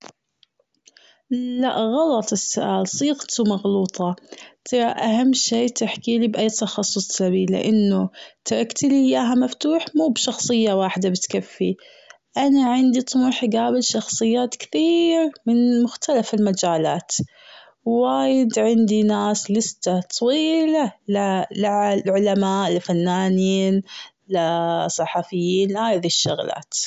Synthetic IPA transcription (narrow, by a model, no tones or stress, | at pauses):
laʔɣɑlɑt̪ˤɪsːʊʔaːlsˤiːɣt̪umɑɣluːt̪ˤɑt̪ʰɑɾˤɑʔahamːʃeːt̪ɪħkiːlibʔajːt̪ɑxɑsˤːʊsˤːabiːlɪ̰ʔanːʊt̪ɑɾˤɑkt̪ɪlɪjːaːɦamaft̪uːħmuːbʃɑxsˤɨjːawaːħɪd̪abɪt̪kafːi | ʔanaʕɪnd̪it̪ˤʊmuħɡaːbɪlʃɑxsˤɨjːaːt̪kɪ̥θiːɾmɪnmʊxt̪alafɪlmad͡ʒaːlaːt̪ | wwaːjɪd̪ʕɪnd̪inaːslɪst̪at̪ˤɑwiːlalalɪʕlʕʊlamaːʔlɪfanːaːniːn | lɪsˤːɑħɑfɪjːiːnlhaːjðiʃːʊɣla̰ːt̪